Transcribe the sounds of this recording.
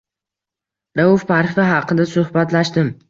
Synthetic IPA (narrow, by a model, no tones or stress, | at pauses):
ɾaʊfpaɾfɪɦɑqʰɨd̪asʊhbat̪laʃt̪ɪm